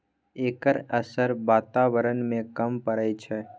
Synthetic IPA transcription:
eːkəɾəsəɾʋaːt̪aːʋəɾənmẽkəmpəɾəjt͡ʃʰɛ

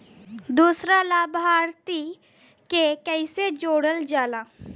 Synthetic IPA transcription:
d̪uːsɾalabʱaːɾt̪i | kekəɪsed͡ʒoːɽəld͡ʒaːla

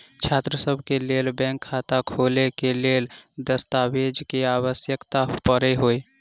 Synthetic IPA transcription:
t͡ʃʰaːt̪ɾəsəbʱkeleːlbɛ̃ːŋkʰːat̪akʰoːlekeleːld̪əst̪awed͡ʒkeaːwəsjəkt̪apəɾeɦoe

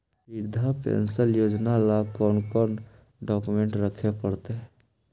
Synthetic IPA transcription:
piɾd̪ʱapḛnsəljoːd͡ʒnalakɔːnkɔːn | ɖɔkumẽɳʈɾəkʰepəɾt̪eɦ

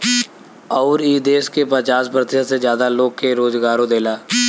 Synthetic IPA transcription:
ɔːɾiːd̪eːskepət͡ʃaːsbəɾət̪ɪʃasezjaːd̪aloːɡ̚keɾoːzɡaːɾõd̪eːlaː

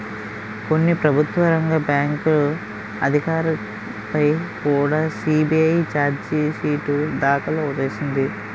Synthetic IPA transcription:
konːipɾɐbʱut̪ʋɐɾɐŋɡɐbjaːŋkulu | ɐd̪ʱikaːɾɐ | pɐjkuːɽaːsiːbiɐjt͡ʃaːɾd͡ʒsiːʈud̪aːkɐloːud̪eːsind̪i

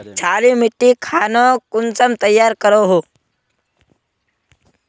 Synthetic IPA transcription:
t͡ʃʰaːɾimɪʈːikʰaːnokʊnsəmt̪əjːaːɾkəɾoɦoː

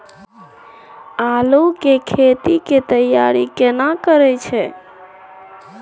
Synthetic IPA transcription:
alukekʰet̪iket̪əja̰ɾikenakəɾɛt͡ʃʰɛ

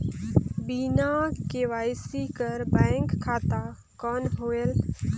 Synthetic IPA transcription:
biːnakeʋaːjsikəɾbɛ̃ːŋkʰːaːt̪a | kɔːnɦoːel

